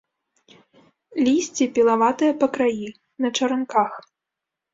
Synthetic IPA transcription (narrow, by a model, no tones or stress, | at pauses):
lʲisʲt͡sʲipʲilˠavat̪ɨjɐpɐkɾaji | nɐt͡ʂɐɾɐnkax